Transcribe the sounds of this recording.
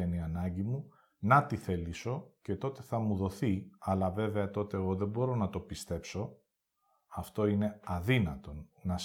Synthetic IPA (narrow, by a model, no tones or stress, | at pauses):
eniɐnɐɲɟimu | nɐt̪iθe̞liso̞ce̞t̪o̞t̪e̞θɐmuðo̞θiɐlɐve̞ve̞ɐt̪o̞t̪e̞ːɣo̞ðe̞bo̞ɾo̞nɐt̪o̞pist̪e̞pso̞ | ɐft̪o̞ine̞ɐðinɐt̪o̞nnːɐ